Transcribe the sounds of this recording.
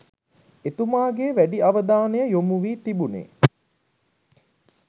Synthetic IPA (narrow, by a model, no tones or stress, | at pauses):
et̪umaːɡeːʋæɖiaʋəd̪aːnejəjomuʋiːt̪ibunḛː